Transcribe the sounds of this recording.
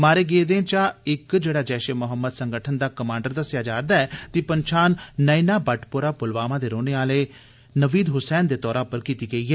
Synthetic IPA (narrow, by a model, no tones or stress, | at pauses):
maːɾeːɡeːd̪ẽːt͡ʃaːɪkd͡ʒeːɽaːd͡ʒɛːʃeːmʊɦəmːəd̪səŋɡəʈʰənd̪aːkəmãːɳɖəɾd̪əsɪjaːd͡ʒaːɾd̪aːɛːt̪iːpəɲt͡ʃʰaːnːəinaːbəʈʰpʊɾaːpʊlʋaːmãːd̪eːɾoːneːaːleː | nəʋiːd̪ɦʊsɛːnd̪eːt̪ɔːɾãːpəɾkiːt̪iːɡəiːɦɛː